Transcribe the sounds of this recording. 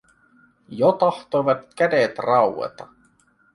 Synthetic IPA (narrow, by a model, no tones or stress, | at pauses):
jot̪ɑht̪ojʋɑt̪kædet̪rɑwwḛt̪ɑ